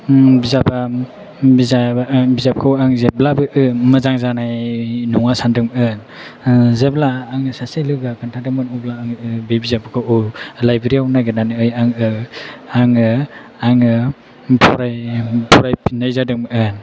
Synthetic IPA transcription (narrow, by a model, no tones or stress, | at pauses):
bizaba | bizabizap̚kʰawaŋzeblabɯʔɯmɯzaŋzanajnuŋasandɯŋmɯn | zeblaːŋɯsaselɯɡakantʰadamɯnɔblaɯŋɯbebizapkʰɯɔlajbeɾiawnaɡɯnanɯɯjaŋɯaŋɯ | aŋɯ | pʰɔɾajpʰɔɾajpinajzadɯŋmʔɯn